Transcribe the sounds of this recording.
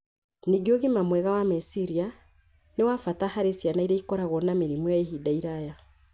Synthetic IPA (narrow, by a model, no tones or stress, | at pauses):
niɡioɣimamwɛɣawamesiɾia | newafatahaɾesjanaiɾeikɔɾaɣɔnameɾimujaeɦidaiɾaja